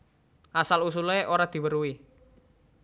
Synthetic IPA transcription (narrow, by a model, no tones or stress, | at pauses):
ʔasalus̬uleʔoɾad̪̥i̤wəɾui